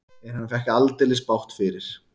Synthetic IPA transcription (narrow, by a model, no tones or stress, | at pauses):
ɛɾ̥hanːfɛhcalt̪ɛlɪspawht̪fɪɾɪɾ̥